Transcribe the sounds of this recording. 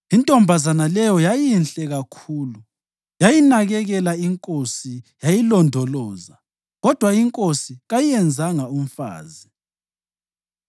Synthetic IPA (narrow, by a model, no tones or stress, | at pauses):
intʼɔmbʱazanalɛjɔjajinɬʼɛɣakʰuːlu | jajinaɣɛɣɛlaiŋkʼosijajilɔndʱɔlɔːza | ɣɔd̥ʱwaiŋkʼosiɣajijɛnd͡zʱaŋaum̩fa̰ːzi